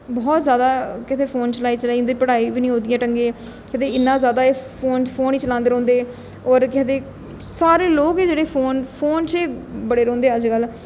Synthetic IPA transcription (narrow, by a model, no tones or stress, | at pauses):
bɔːt̪zjaːd̪aːkɪt̪ʰeːpʰoːnt͡ʃəlaːiːt͡ʃəlaːĩnd̪iːpəɽaːiːbiːnĩːɦoːd̪ijãːʈəŋɡeː | kɛːt̪eːɪnːãːzjaːd̪aːeːpʰoːnpʰoːniːt͡ʃəlãːnd̪eɾɔ̃ːnd̪eː | ɔːɾkɛːt̪eː | saːɾeːloːkeːd͡ʒeːɽeːpʰoːnpʰoːnt͡ʃeːbəɽeːɾɔ̃ːnd̪eːəd͡ʒkəl